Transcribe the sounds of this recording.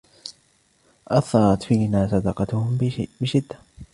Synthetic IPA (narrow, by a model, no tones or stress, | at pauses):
ʔɑθɑɾˤɑt̪fiːnaːsˤɑd̪ɑqɑt̪ʊhʊmbɪʃɪd̪ːḁ